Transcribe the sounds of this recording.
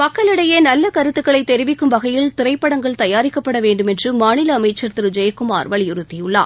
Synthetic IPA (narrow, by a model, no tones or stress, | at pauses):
pɐkːɐlɪɽɐjeːnɐlːɐkɐɾɯt̪ːɯkːɐɭɐɪt̪ːɛɾɪʋɪkːɯmʋɐɣɐjɪlt̪ɪɾɐɪpːɐɽɐŋɡɐɭt̪ɐjaːɾɪkːɐpːɐɽɐʋeːɳɖɯmɛndrɯmaːnɪlɐːmɐɪt͡ʃːɐɾt̪ɪɾd͡ʒɐjɐkːɯma̰ːɾʋɐɭjʊɾʊt̪ːɪjɯɭːa̰ː